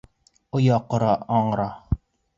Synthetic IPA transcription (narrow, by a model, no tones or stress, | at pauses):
ŏjɑqŏɾɑɑɴɾɑ